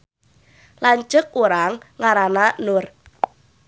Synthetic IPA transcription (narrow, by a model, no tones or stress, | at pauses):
laɲt͡ʃʊk̚uɾaŋːaɾananʊr